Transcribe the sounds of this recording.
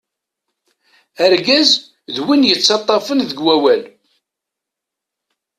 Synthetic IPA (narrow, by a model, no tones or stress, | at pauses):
æɾɡæz | ðwinjət͡sːɑt̪ˤːɑfənðəɡwæwæl